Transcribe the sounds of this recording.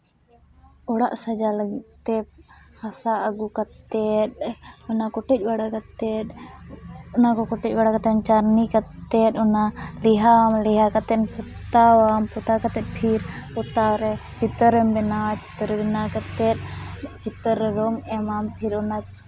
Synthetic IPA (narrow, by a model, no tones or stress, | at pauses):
ɔɽaʔsɐd͡ʒaləɡt̪ɛp̚hasaɐɡukɐt̪ɛt̚ɔnakɔʈɛc̚ˀbaɽakɐt̪ɛɗ̚ | ɔnakɔkɔʈɛc̚ˀbaɽakat̪ɛnt͡ʃaɾnikɐt̪ɛtɔnaliɦaamliɦakat̪ɛnput̪awampɔt̪akɐt̪ɛt̪̚ˀpʰiɾpɔt̪aɾɛt͡ʃit̪əɾɛmbɛnat͡ʃi̥t̪əɾbɛnakɐt̪ɛt̪̚t͡ʃit̪əɾɾɔŋɛmampʰiɾɔna